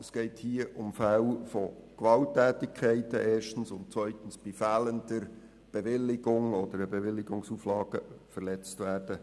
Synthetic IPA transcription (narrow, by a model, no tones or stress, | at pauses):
əsɡ̥ɛɪthiːəʔʊmfælfɔkʋɑltːæːtɪkʰːɛɪtəʔeːʃtən̩sʊnt̚t͡sʋœʏtən̩sb̥ifæːləndəɾ | b̥eʋɪlːɪɡʊŋɔd̥̪əɾəbeʋɪlːɪɡʊŋsuːflɑːɡ̥əfərlɛt͡stʋæːrd̥ə